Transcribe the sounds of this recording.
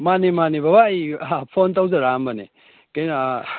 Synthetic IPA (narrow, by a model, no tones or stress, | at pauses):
manimanibabajpʰontawzaɾambɐnḛ | kɐjn